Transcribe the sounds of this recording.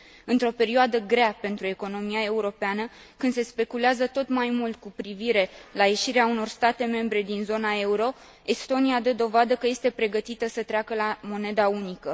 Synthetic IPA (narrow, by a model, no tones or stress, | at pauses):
ɨnt̪ɾo̞pe̞ɾioad̪əɡɾeape̞nt̪ɾue̞ko̞no̞miae̞uɾo̞peanə | kɨnd̪se̞spe̞kuleazət̪o̞t̪majmult̪̚kupɾiviɾe̞laje̞ʃiɾeauno̞rst̪at̪e̞me̞mbɾe̞d̪inzo̞nae̞uɾo̞ | e̞st̪o̞niad̪əd̪o̞vad̪əkəje̞st̪e̞pɾe̞ɡət̪it̪əsət̪ɾeakəlamo̞ne̞d̪aunikə